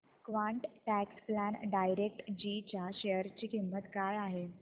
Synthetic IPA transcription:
kʋaɳʈʈæksplænɖajɾek̚ʈd͡ʑit͡ɕjaɕejəɾt͡ɕiːkimːət̪kaɭaɦe

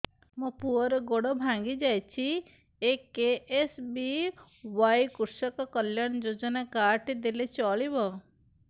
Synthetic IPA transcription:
mɔpuɔɾɔɡoɽɔbʱãŋɡid͡ʒajt͡ʃʰi | ekeesbi | wajkuɾsɔkɔkɔljaɽ̃d͡ʒod͡ʒɔnakaɾʈd̪elet͡ʃɔɭibɔ

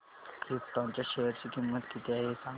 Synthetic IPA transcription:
kit̪ãɲt͡ɕaɕeəɾt͡ɕikĩmaʈ̪kit̪ʰeaɦesãŋ

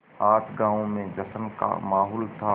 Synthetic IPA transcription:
aːt̪ʰɡãːõmẽd͡ʒɐsənka̰maːɦoːlt̪ʰa

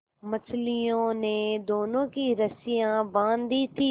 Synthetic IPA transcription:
mət͡ʃʰlijõned̪oːnõːkiɾəsɪjãbãːnd̪it̪ʰiː

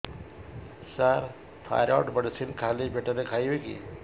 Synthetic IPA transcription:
saɾ | t̪ʰa̰jɾɔ̰ːʈbəɽsinkʰaːlibʱeʈəɾekʰaːjʋekḭ

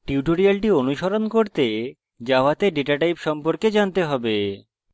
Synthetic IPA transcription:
ʈiuʈoɾialʈionuʃoɾonkoɾt̪e | d͡ʑaoat̪eɖeʈaʈajpʃɔmpoɾked͡ʑant̪eɦɔbe

